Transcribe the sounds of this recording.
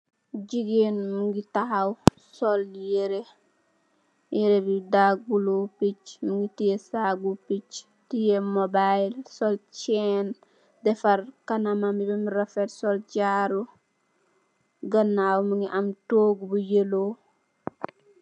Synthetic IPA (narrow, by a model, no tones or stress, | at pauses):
ɟiɡenmuŋɡitahaw | soljeɾe | jeɾebidaɡ̚bulupicmuŋɡitijesaɡupic | tijemobajlsolt͡ʃɛn | dɛfaɾkanamamibemiɾɐfetsolt͡ʃaɾu | ɡɐnːawmuŋɡiʔamtoɡbujelo